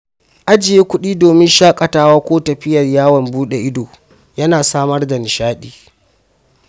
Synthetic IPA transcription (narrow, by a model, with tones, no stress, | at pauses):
ʔa˦d͡ʒɪ˨jeː˦kʷʊ˦ɗiː˦doː˨mɪ˦nʃaː˦kʼɐ˨taː˦waː˦kʷoː˦tɐ˨ɸɪ˦jɐ˨rjaː˦wɐ˨mbuː˦ɗe˨ʔɪ˦doː˨ | jɐ˦naː˨saː˦mɐ˦rda˨nɪ˨ʃaː˦ɗiː˨